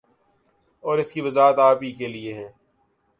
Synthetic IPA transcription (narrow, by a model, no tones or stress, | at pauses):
ɔːɾɪskiʋɐzaːɦət̪aːpikelieɦɛ̃ː